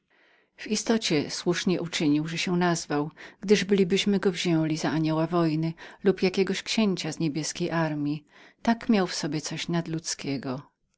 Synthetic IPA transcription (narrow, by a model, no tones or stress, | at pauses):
v̥ist̪ɔt͡ɕɛswuʂɲɛʔut͡ʂɘɲiwʐɛɕɛnazvawɡ̥d̪ɘʐbɘlʲibɘɕmɘɡɔvʑɛ̃lʲizaaɲɔwavɔjnɘlupjakʲɛɡɔɕkɕeɲt͡ɕazɲebʲjɛskʲejʔaɾmʲi | t̪akmʲjawfsɔbʲjɛt̪sɔɕnad̪lut̪skʲɛɡɔ